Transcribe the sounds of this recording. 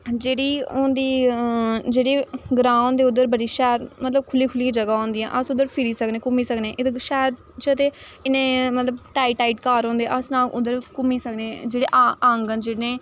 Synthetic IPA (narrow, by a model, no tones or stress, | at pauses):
d͡ʒeːɽiːoːnd̪iː | d͡ʒeːɽeːɡɾãːʊnd̪eːʊd̪ːəɾbəɽiːʃɛːɾmət̪ləb̚kʰʊliːkʰʊliːd͡ʒəɡaːõːnd̪iːɛ̰̃ːʔəsʊd̪ːəɾpʰɪɾiːsəkneːkʊmiːsəknẽːʔɪt̪eʃɛːɾ | t͡ʃət̪eːɪnẽːmət̪ləbʈaːiʈaːiːʈkaːɾõːnd̪eɛ̃ʔəsnãːʔʊd̪əɾkʊmiːsəkneːd͡ʒeːɽḛːʔaŋɡənd͡ʒeɽnẽː